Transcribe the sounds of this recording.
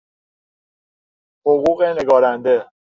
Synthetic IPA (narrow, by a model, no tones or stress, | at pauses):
hoɣuːɣene̞ɡɒːɾænd̪e̞